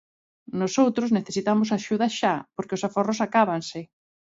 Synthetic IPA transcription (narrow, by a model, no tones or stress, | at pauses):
nosowt̪ɾozneθesit̪amʊsaʃuðɐʃapoɾkeɪosaforosakaβ̞ansɪ